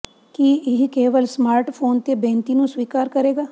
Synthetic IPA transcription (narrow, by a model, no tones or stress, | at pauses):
kiːɪɦkeːʋəlsmaːɾʈpʰoːnt̪ebẽːnt̪inũːsʋiːkaːɾkəɾeːɡaː